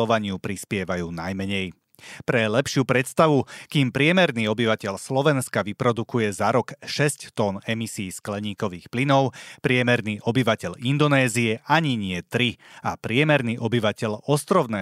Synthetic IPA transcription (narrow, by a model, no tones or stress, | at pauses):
ɔʋaɲɪupɾispɪɛʋajuːnajmɛɲɛj | pɾɛlɛpʃɪuːpɾɛt̪st̪aʋukiːmpɾɪɛmɛɾniːɔbiʋacɛʎslɔʋɛnskaʋipɾɔd̪ukujɛzaɾɔkʃɛsct̪ɔnɛmisiːsklɛɲiːkɔʋiːxplinɔʊpɾɪɛmɛɾniːʔɔbiʋacɛʎind̪ɔnɛːziɛʔaɲiɲɪɛt̪ɾiapɾɪɛmɛɾniːʔɔbiʋacɛʎɔst̪ɾɔʊnɛː